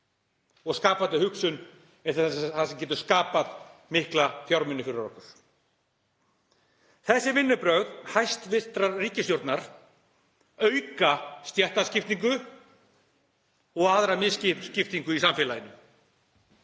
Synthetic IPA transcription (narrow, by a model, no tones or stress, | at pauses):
ɔɣskaːpat̪ɪhʏksʏn | ɛt̪θansɛmcɛt̪ʏɾ̥skaːpaðmɪhklafjawɾmɪnːʏfɪɾʏɾɔ̰hkʏɾ̥ | θɛsːɪvɪnːʏpɾœɣðhajst̪vɪr̥t̪ɾaɾriːcɪst̪jowɾt̪naɾ̥ | œɥkast̪jɛht̪ascɪft̪niŋkʏ | ɔɣaðɾamɪscɪscɪft̪iŋkʏisamfɪːlajɪnːʏ